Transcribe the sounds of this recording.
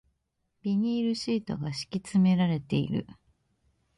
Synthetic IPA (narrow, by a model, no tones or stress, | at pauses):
b̥ʲiɲ̟iːɾɯ̟ɕiːt̪o̞ɡaɕi̥kʲit͡sɨme̞ɾaɾe̞t̪e̞ḭɾɯ̟̰